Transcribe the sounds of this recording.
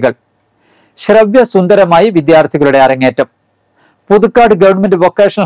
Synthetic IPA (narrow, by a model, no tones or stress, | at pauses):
ɣɐɭ | ɕrɐʋjɐsund̪ɐɾɐmaːjiʋid̪jaːrt̪ʰiɣɐɭuɽe̞ɐɾɐŋːeːtːɐm | puðukːaːɖɨɡɐʋɐɳmɐndɨʋɐkːeːʂɐɳɐ